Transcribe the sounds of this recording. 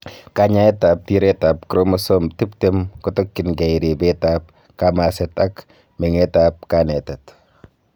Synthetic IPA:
kaɲaɛtap̚tiɾɛtap̚kɾomɔsomtiptemkɔtɔkːɪnɡɛiɾibetap̚ | kamasɛtak | mɛŋɛtap̚kanɛtɛt

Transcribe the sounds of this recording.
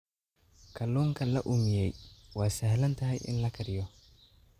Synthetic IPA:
kʰɐluːŋkʰɐlɐʔʊmɪjɛjwɑːsɐɦlɐnt̪ʰɐɦɛjʔɪ̰nlɐkʰɐɾɪjɔ

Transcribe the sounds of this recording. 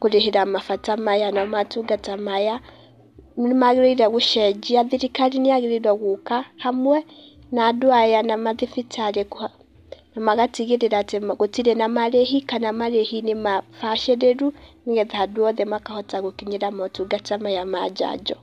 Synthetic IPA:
koɾeɦeɾamafatamajanamatuɡatamaja | maɣeɾɔiɾaɣoʃɛd͡ʒiaðiɾikaɾiniaɣeɾeɾɔɣukahamwɛ | nadoajanamaðifitaɾek | namaɣatiɣeɾeɾatemɣotiɾɛnamaɾeɦikanamaɾehinemafaʃɛɾeɾuneɣɛðahadwɔðɛmakahɔtaɣokiɲeɾamɔtuɡatamajama̰d͡ʒa̰d͡ʒɔ

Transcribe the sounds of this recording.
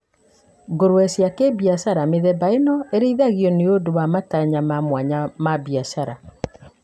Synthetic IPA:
ɡoɾuɛsjakebiasaɾameðɛbaenɔeɾeiðaɣiɔneodowamataɲamamwaɲamabiasaɾa

